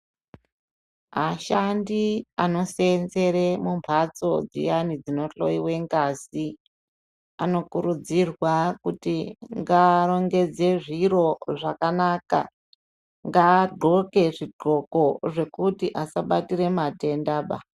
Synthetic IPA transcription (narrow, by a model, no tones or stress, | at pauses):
maʃandiano̞senze̞ɾemumbʱat͡so̞d͡zḭjanid͡zino̞ɬo̞̰iwe̞ŋɡasi | ano̞kuɾud͡zirwakutiŋɡaɾo̞ŋɡe̞d͡ze̞ʐiɾo̞ʐakanaka̰ | ŋɡaːɡ͡ǃʱo̞ke̞ʐiɡ͡ǃʱo̞ko̞ʐe̞kutiʔasaɓatiɾe̞mate̞ndaːɓa